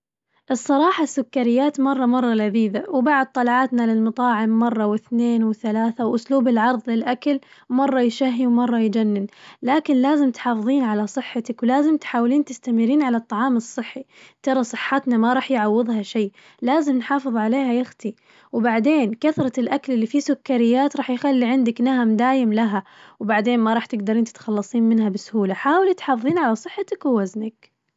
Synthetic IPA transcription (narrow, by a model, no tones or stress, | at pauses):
ʔɨsˤːɑɾˤɑːħɑsːʊkːaɾɪjːaːt̪mɑrˤːɑmɑrˤːɑlaðiːd̪awbaʕd̪̚t̪ˤɑlʕɑːt̪nalɪlmɨt̪ˤɑːʕɪmːɑrˤːɑwɪθneːnwɪθalaːθawʔʊsluːbɪlʕɑɾˤðˤlɪlʔakalmɑrˤːɑjʃaɦːiwmɑrˤːɑjd͡ʒanːɪnlaːkɪnlaːzɪmt̪ħɑːfɨðˤiːnʕalasˤɨħːat̪akwlaːzɪmt̪ħaːwliːnt̪ɪst̪amɪɾːiːnʕalɑt̪ˤːɑʕɑːmɨsˤːɨħːi | t̪ɑɾˤɑsˤɨħːat̪namaɾˤɑːħjʕawːɨðˤhaʃaj | laːzɪmnħɑːfɨðˤʕaleːhajaxt̪i | wbaʕd̪eːnkaθɾˤɑɪlʔaklɪlːifisʊkːaɾɪjːaːt̪ɾˤɑːħjxalːiʕɪnd̪aknahamd̪aːjɪmlaɦawbaʕd̪eːnmɑɾˤɑːħt̪ɪɡd̪ɑɾiːnt̪ɪ̥t̪xɑlːɑsˤiːnmɪnhabɪsʊhuːlaħaːwɪlit̪ħɑːfɨðˤiːnʕalasˤɨħːat̪akwɪwaznak̚